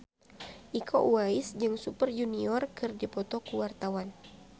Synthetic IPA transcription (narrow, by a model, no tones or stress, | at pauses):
ʔikʰɔwaɪsd͡ʒɨŋsupərd͡ʒuniɔrkɨrdipɔt̪ɔkuwart̪awan